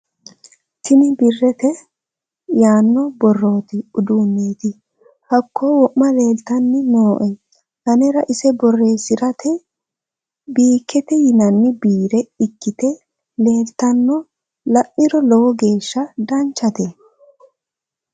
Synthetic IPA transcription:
t̪ɪnɪbɪrːɛt̪ɛ | jaːnːɔbɔrːo̞ːt̪ɪʊd̪uːnːiːt̪ɪ | hɐkʰːoːwɔʔmɐle̞ːlt̪ɐnːɪnoːʔɛ | hɐnɛɾɐʔɪsɛbɔrːe̞ːsɪɾɐt̪ɛ | biːkːɛt̪ɛjɪnɐnːɪbiːɾɛɪkːɪt̪ɛ | le̞ːlt̪ɐnːɔ | lɐʔɪɾɔlɔwɔɡe̞ːʃːɐd̪ɐnt͡ʃːɐt̪ɛ

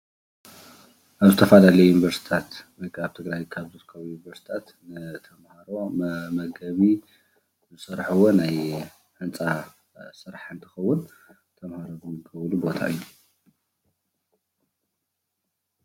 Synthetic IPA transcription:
ʔaβzɨt̪ʰɐfalalɐjjunivɐɾsi̥t̪ʰat̪wɔjkʰaβt̪ʰɨɡɾajkʰaβzot̪kʰaβujunivɐɾsi̥t̪ʰat̪ | nɨt̪ʰɐmhaɾo̞mɐɡɐβi | zɨsɐɾħɐwonaj | ħɨnt͡sʼa | sɨɾaħɨnt̪ʰɨxɐwːʊn | t̪ʰɐmhaɾo̞zɨmɡʰɐβlubo̞t̪ʰa̰ʔɨjːu

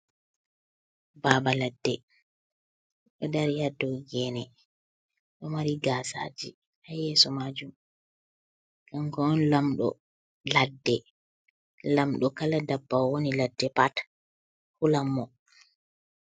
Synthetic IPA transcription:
baːbaladːɛ | ɗɛdɛɾjadɔɡɛːnɛ | ɗɔmaɾiɡaːsa̰ːd͡ʒi | ʔajɛːsɔmad͡ʒum | ɡaŋkɔɔnlamɗɔ̰ | ladːɛ | lamɗɔkaladabːawwoniladːɛpat | hulamːɔ

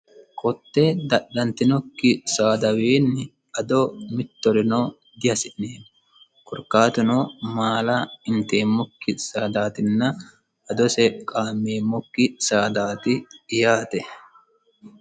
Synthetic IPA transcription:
kʰʼɔt̪ːɛd̪ɐɗːɐnt̪ɪnɔkːɪsaːd̪ɐwiːnːɪ | ɐd̪ɔmɪt̪ːɔɾɪnoː | d̪ɪhɐsɪʔneːmʊ | kʊɾkːaːt̪ɪnomaːlɐɪnt̪eːmːɔkːɪsaːd̪aːt̪ɪnːɐ | ɐd̪ɔsɛkʼaːmːeːmːɔkːɪsaːd̪aːt̪ɪːjaːt̪ɛ

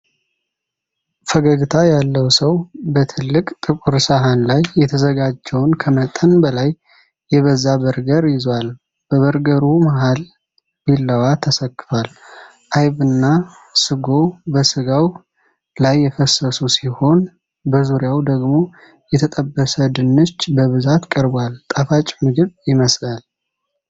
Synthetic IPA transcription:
fəɡəɡɨt̪ʰajalːəwsəwbət̪ʰɨlːɨkʼt̪ʼɨkʼuɾsaɦanlajːɛt̪ʰəzəɡad͡ʒːɛwnkʰəmət̪ʼənbəlajː | ɛβəzːabəɾɡəɾjɪzwal | b̥əβəɾɡəɾumaɦal | bilːəwat̪ʰəsəkːɨfal | ʔajβɨnːa | sɨɡo̞bəsɨɡaw | lajːɛfəsəsusiho̞n | bəzuɾjawd̪əɡmo̞ | jɛt̪ʰət̪ʼəbːəsəd̪ɨnːɨt͡ʃːbəβɨzat̪kʼəɾbwalt̪ʼafat͡ʃʼmɨɡɨβjɪməslal

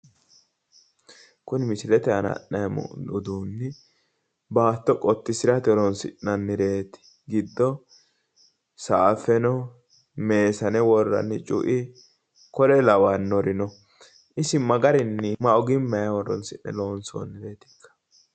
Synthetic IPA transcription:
kʊnmɪsɪlɛt̪ɛɐnɐ̰ʔːɐjm̰ʊd̪uːnːɪ | baːt̪ːɔkʼɔt̪ːɪsɪɾɐt̪ɪɔɾɔnsɪnnɐnːɪɾe̞ːt̪ɪ̥ | ɡɪd̪ːɔ | saːfɛnɔ | me̞ːsɐnɛwɔrːɐ̰nːɪt͡ʃʼʊ̰ʔɪ | kɔɾɛlɐwanːɔɾɪnɔ | ʔɪsɪmɐɡɐɾɪnːɪmɐɔɡɪmːɐjɐwɔrːɔ̰nsɪnːɛ̰lo̞ːnso̰nːɪɾe̞ːt̪ɪ̥kʰːɐ̥

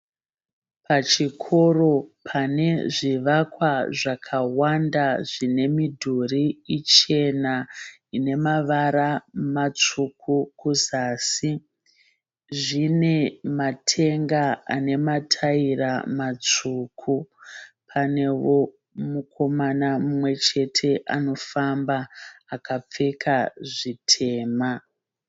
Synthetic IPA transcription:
pʰat͡ʃikʰo̞ro̞pʰane̞ʐiʋakwaʐakʰawandaʐine̞midʱuriit͡ʃe̞na | ine̞maʋaɾamat͡ʂukʰukuzaːsi | ʐine̞matʰe̞ŋɡaa̰ne̞matʰairamat͡ʂuːkʰu | pʰane̞wo̞ | mukʰo̞manamumwe̞t͡ʃe̞tʰe̞ʔano̞fambaakap͡fe̞kʰaʐitʰe̞ːma

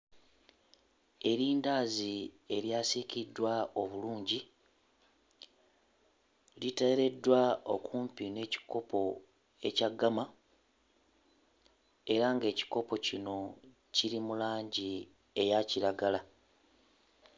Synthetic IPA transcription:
e̞ɾiːndaːzie̞ɾjaːsikidːwao̞βuluːɲɟi | litaɾe̞dːwao̞kuːmpine̞ːci̥ko̞pʰo̞ | e̞̰caɡːama | e̞ɾaŋɡe̞ːci̥ko̞po̞cino̞ | ciɾimulaːɲɟi | ejaciɾaɡala

